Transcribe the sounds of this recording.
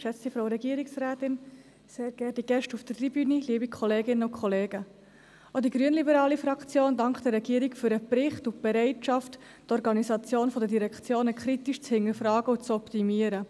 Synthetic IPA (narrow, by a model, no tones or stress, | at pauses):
ʃɛt͡sifɾoʊɾɛɡiːəɾɪksræːt̪ɪn | seːɾɡ̥ɛːdiɡ̥ɛʃtufd̥ətribyniliəbikʰχɔleːɡɪnːəʊkʰχɔleːɡ̥ə | ʔodiɡɾyənlibəɾɑːlifɾɑkt͡sjoːndɑŋkχd̥ɛɾːɛɡiːəɾikfʏɾəpɾɪχtʊtb̥ɛɾɛɪtʃɑft | tɔɾɡɑnisɑt͡sjoːnfɔdədiɾɛkʰt͡sjoːnəkχɾitiʃt͡shɪnəɾfɾɑːɡəʊt͡sɔptimiəɾə